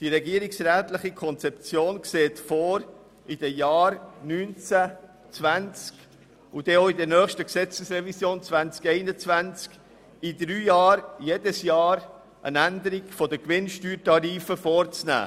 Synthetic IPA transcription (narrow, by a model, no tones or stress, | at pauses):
d̥iɾɛɡiəɾiksɾæːtlɪχikʰɔnt͡sɛp̚t͡sjoːnkseːtfoːɾ | ʔɪd̥əjɑːɾnynt͡sæ | t͡svænt͡sk | ʊd̥ɛoidəɾnœːχʃtəksɛt͡səsɾɛvisjoːnt͡svænt͡skɛɪnət͡svænt͡sk | idɾyːjɑːɾjeːdəsjɑːɾ | ʔə̰nændəɾiɡfɔdəkʋɪnʃtyːɾtɑɾiːfəfɔːɾt͡snæ̰ː